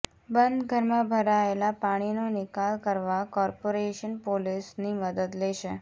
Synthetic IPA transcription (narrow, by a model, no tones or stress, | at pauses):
bənd̪ɡʱəɾmãbʱəɾaelapaɽ̃inonɪkalkəɾʋakɔɾpoɾeʃənpolisniməd̪əd̪lɛʃe